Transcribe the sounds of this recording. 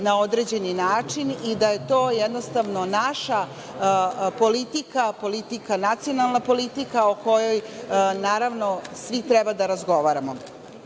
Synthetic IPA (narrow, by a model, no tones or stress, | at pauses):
nao̞d̪ɾed͡ʑe̞ninaːt͡ʂinid̪aje̞t̪o̞ːjɛd̪nost̪aʋno̞naʃa | po̞lit̪ikapo̞lit̪ikanat̪sijonalˠnapo̞lit̪ikaoko̞jojnaːɾaʋno̞sʋit̪ɾɛbad̪aɾazɡo̞ʋaːɾamo